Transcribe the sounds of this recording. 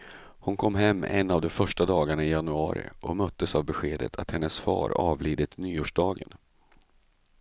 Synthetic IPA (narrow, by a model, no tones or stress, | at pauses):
hʊnkʰɔmːɦɛmːɛ̰nːavd̪ɔmfœʂʈad̪ɑːɡaɳaɪjanɵɑ̰ːɾɪ̰ʔɔmœt̪ːəsavbɛɧeːd̪ə̰t̪ʰat̪hɛnːəsfɑ̰ːɾɑ̰ːvliːd̪ɪt̪nyːoːʂɖɑːɡə̰n